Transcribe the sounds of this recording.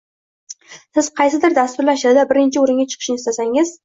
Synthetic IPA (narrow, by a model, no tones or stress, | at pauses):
sɪz̥qʰɑjsɪd̪ɪɾd̪ast̪ʊɾlaʃad̪d̪abɪɾɪnt͡ʃʰɪʊɾɪŋɡʲat͡ʃʰɨ̥qʰɨ̥ʃɪnɪst̪asaŋɪz